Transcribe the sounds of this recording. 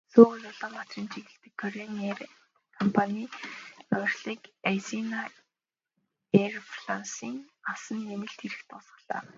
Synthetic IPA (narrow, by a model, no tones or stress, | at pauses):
soːɣɘ̆ɮʊɮə̆ːmpat̪riːnt͡ɕʰiɣɘ̆ɬt̪ɘ̆kʰːɔɾener | kʰɔmpʰanʲiːœrɮiːkajsina | erfɮansiːŋasə̆nːemɘ̆ɬt̪xeɾɘ̆xt̪ʰʊsə̥̆ɮa̰ː